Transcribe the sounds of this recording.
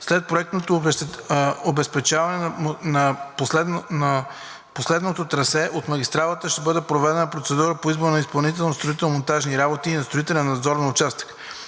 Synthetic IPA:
slɛt̪̚pɾoɛk̚t̪not̪o | obɛspɛt͡ʃavɐnɛnɐpsɛnɐ | poslɛd̪not̪ot̪ɾɐsɛʔot̪mɐɡʲist̪ɾalˠət̪əʃt̪ɛbɤd̪ɛpɾovɛd̪ɛnəpɾot̪sɛd̪uɾəpoizboɾnɐispɐlˠnit̪ɛlˠnost̪ɾoit̪ɛlˠmont̪aʒniɾabot̪iːnɐst̪ɾoit̪ɛlʲɛnnɐd̪zɔɾnɐʊt͡ʃast̪ə̥k

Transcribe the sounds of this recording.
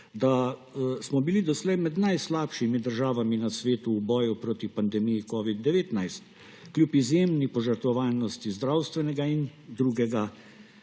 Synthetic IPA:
d̪asmɔbilid̪ɔslɛjmɛd̪najslaːpʃimid̪əɾʒaːʋaminasʋeːt̪uːbɔːjupɾoːt̪ipand̪ɛmijikɔːʋid̪ːɛʋeːt̪najst̪ | klʲjupizjemnipɔʒəɾt̪ʋɔʋaːlnɔst̪izd̪ɾawst̪ʋɛnɛɡaind̪ɾuːɡɛɡa

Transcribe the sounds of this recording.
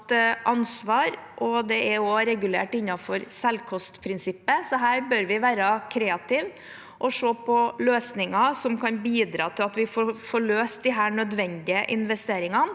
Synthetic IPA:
t̪ʔɑnsʋɑːɾʔɔd̪ɛʔɛɾoɾɛɡʉlḛːʈɪnːɑfɔɾsɛlkʰɔst̪pʰɾɪnsɪpːəsɔɦæːɾbœɾʋɪʋæːɾɑkʰɾeːɑt̪ɪʋ | ʔɔʂoːpʰɔløːsnɪŋɑsɔmkʰɑnbiːd̪ɾɑ̰ːt̪ʰɪlɑt̪ʋɪfofɔɭøːst̪̚d̪ɪɦæːɳœd̪ʋɛnd̪ɪəʔɪnʋɛst̪eːɾɪŋɑn

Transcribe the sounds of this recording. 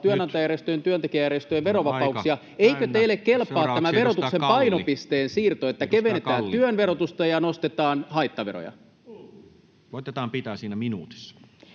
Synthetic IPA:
t̪yønɑnt̪ɑjærjest̪øjent̪yønt̪ekiæjærjest̪øjʋʋe̞ɾo̞ʋɑpɑukssiɑ | ejkøt̪eilːekke̞lpːˑɑːtt̪ːæmæʋe̞ɾo̞t̪uksempɑjno̞pist̪eːnsiːrt̪oet̪ːækeʋenet̪æːnt̪yønʋeɾot̪ust̪ɑjɑnost̪et̪ɑːnhɑjt̪ːɑʋeɾo̰jɑ̰ | koit̪et̪ɑːmpit̪æːsiːnæminuːt̪i̥sːɑ̥

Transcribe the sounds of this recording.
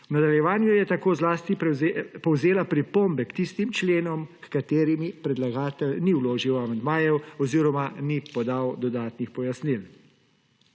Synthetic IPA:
wnad̪aljɛʋaːnjujɛt̪akoːzlaːst̪ipɔwzeːlapɾipoːmbɛkt̪ist̪imt͡ʃleːnɔmkkat̪eːɾimipɾɛd̪laɡaːt̪ɛlniwloːʒiwamand̪maːjɛwɔziːɾɔmanipɔd̪awd̪ɔd̪aːt̪nixpɔjasnil

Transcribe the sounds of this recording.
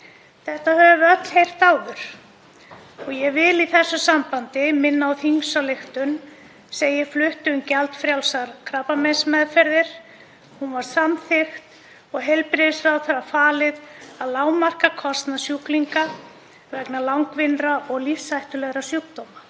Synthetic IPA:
θɛht̪ahœːvʏvɪœt̪l̥hejr̥t̪aːwðʏɾ̥ | ɔɣjɛɣvɪliθɛsːʏsampant̪ɪmɪnːaawθiŋsalext̪ʏn | seːjɪflʏht̪ʏʏmcalt̪fɾjawlsaɾ̥kʰɾaːpamɛnsmɛðfɛɾðɪɾ̥ | hunvaɾ̥samθɪxt̪ | ɔɣɦɛjlpɾɪðɪsfɾawθaɾafaːlɪðaðlaːwmar̥kakʰɔst̪nasjukliŋka | vɛknalawŋkvɪnɾaʔɔɣlifsajht̪ʏlɛɣɾasjukt̪owma

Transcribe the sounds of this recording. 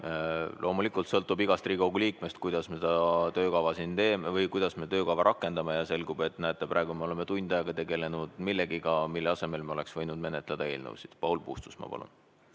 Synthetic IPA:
lʔo̞ːmulikˑult̪sɤlt̪ːˑubiɡ̥ɑst̪riːkoɡ̥uliːkˑme̞st̪̚kujd̪ɑsmesed̪ɑt̪ø̞ːkɑvɑsint̪e̞ːmevɤjkujd̪̥ɑsme̞t̪øːkɑvɑɾɑkːˑe̞nd̪ɑmejɑse̞lɡube̞t̪ːˑnæːt̪ːˑeprɑeɡ̥umeo̞le̞met̪unʲd̪̥ɑjɑɡ̥ɑt̪e̞ɡe̞le̞nud̪̥milːe̞ɡ̥ikɑmilːeɑse̞me̞lmeole̞ksvɤjnud̪̚me̞net̪ˑled̪̥ɑe̞ːlnḛwsid̪̥pɑwlpṵːst̪u̥smɑ̰pɑ̰lṵn

